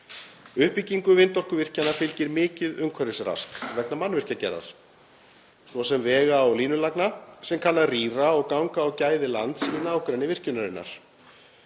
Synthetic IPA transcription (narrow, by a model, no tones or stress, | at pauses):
ʏhpiciŋkʏvɪnt̪ɔr̥kʏvɪr̥canafɪlcɪɾmɪːcɪðʏmkʰvaɾɪsra̰skvɛt̪namanːvɪr̥cacɛ̰ɾa̰ɾ̥ | svɔsɛmvɛːɣaawliːnʏlaknasɛmkʰanlːariːɾaɔɣkawŋkaːwcaːjðɪlant̪svɪnːaːwkɾɛnːɪvɪr̥cʏnaɾɪnːa̰ɾ̥